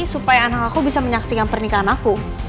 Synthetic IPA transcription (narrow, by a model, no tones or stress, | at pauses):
isupajaːnakakubisaməɲaksikanpərnikaɦanaku